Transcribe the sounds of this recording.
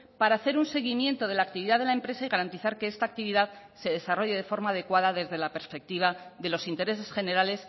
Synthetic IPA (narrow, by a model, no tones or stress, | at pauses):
paɾaːθe̞ɾunse̞ɣ̞imje̞nt̪o̞ð̞e̞laːk̚t̪iβiðaðelaempɾe̞saiɣaɾant̪iθaɾke̞est̪aːk̚t̪iβiðað | se̞ðe̞saro̞ʝe̞ð̞e̞fo̞ɾmaːðe̞kwaðaðe̞zðelape̞ɾspe̞k̚t̪iβ̞aðe̞lo̞sint̪e̞ɾe̞se̞sχe̞ne̞ɾale̞s